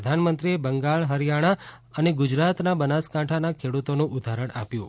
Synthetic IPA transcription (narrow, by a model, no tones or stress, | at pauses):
əd̪ʱanmənt̪ɾiebəŋɡaɭɦəɾjaɽ̃a | əneɡʊd͡ʒɾat̪nabənaskaʈʰanakʰeɽut̪onũʔud̪ʱaɾəɳa̰pjũ